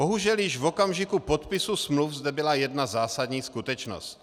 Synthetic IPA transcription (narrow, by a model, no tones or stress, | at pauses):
bo̞ɦuʒɛljɪʒvokamʒɪkupot̪pɪsusmlufzdɛbɪlajɛdnazaːsad̪ɲiːskut̪ɛt͡ʃno̰st